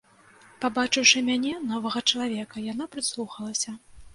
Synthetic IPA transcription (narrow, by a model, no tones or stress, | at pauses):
pabat͡ʂɨwʂɨmʲanʲɛnɔvɐɣɐt͡ʂɐlˠavʲɛkɐjan̪apɾɨslˠuxɐlˠɐsʲɐ